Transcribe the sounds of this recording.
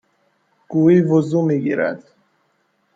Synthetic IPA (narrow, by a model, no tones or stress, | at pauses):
ɡ̥uːiːvozuːmiːɟḭːɾæ̰d̪̥